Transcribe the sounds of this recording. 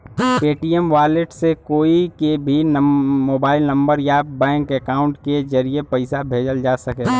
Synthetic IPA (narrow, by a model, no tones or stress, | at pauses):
peːʈiːɛmʋaːleʈsekoːikebʱinmoːbaːɪlnɐ̃mbəɾjabɛ̃ːŋkekaːʊ̃ɳʈked͡ʒɐɾijepɐɪsabʱeːd͡ʒəld͡ʒaːsɐke